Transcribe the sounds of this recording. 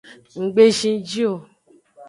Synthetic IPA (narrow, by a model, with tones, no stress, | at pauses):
ŋ̩˨ɡ͡be˦ʃĩ˧˦d͡ʒi˦o˦˨